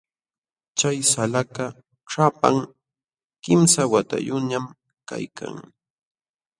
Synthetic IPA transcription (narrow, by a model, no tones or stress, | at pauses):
t͡ʃajsalaka | ʂapa̰ŋ | kɪmsawat̪a̰jʊɲam | ka̰jkʰa̰ŋ